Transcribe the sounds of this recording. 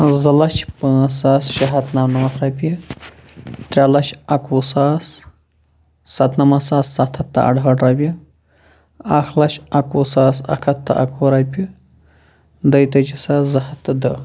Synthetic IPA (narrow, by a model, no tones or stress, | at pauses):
zɐlɐʃpəsaːsʃɐɦɐt̪nɐmnɐmɐsɾɐpʲi | t̪ɾʲalɐʃɐkʰusaːs | ɐt̪nɐmɐsaːsːɐt̪ʰɐt̪ːɐ̰ʔɐ̰ɖɦɐɖɾɐbʲi | ɐxʰlɐʃɐkuːsaːsɐ̰kʰɐt̪ːɐ̰ʔɐ̰kʰuɾɐpʲi | d̪ɐjt̪ɐd͡ʒisaːszɐhɐt̪ːɨd̪ɐ